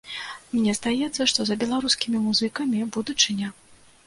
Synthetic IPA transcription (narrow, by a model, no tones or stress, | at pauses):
mnʲɛzd̪ajɛt̪sːɐʂt̪ɔzɐbʲɛlˠaɾuskʲimʲimuzɨkɐmʲibud̪ut͡ʂɨnʲɐ